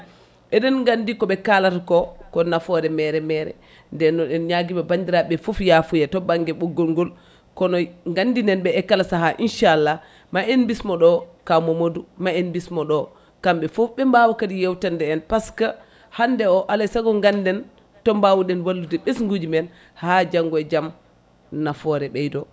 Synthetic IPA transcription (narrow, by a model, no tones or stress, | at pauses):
ɛɗɛnŋɡandikɔɓɛkalatakɔkɔnafɔɾɛmɛɾɛmɛɾɛ̰ | ndɛnːɔɗɛnɲaɡimabandiɾaɓɛfufjafujɛtɔbaŋɡɛɓuɡɔlŋɡɔl | kɔnɔŋɡandinɛnɓɛɛkːalasaɦaʔinʃaːlːa | maenbismɔɗɔkamɔmodumaɛnbismɔɗɔ | kamɓɛfufɓɛmbawakadijɛwtandɛːnpaska | handɛɔʔalasaɡɔŋɡandɛn | tɔmbawuɗɛnwalːudɛɓɛsŋɡud͡ʒimɛn | had͡ʒaŋɡɔd͡ʒam | nafɔɾɛɓɛjdɔ